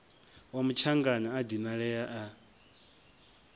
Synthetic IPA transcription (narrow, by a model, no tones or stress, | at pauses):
wamut͡ʃʰaŋɡanaːdimaɺɛjaʔa